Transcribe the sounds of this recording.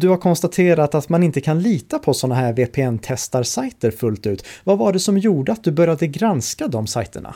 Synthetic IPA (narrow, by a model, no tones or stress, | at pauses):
d̪ɵhaɾkʰɔnst̪at̪ʰeːɾat̪at̪manɪnt̪əkʰanliːt̪apʰɔsɔnːaɦæːɾveːpʰeːɛnt̪ʰɛst̪aɾsajt̪əɾfɵlt̪ʉ̟ːt̪vavaɖɛsɔmjuːɖəat̪̚d̪ɵbœɾjad̪əɡɾanskad̪ɔmsa̰jt̪ə̰ɳa̰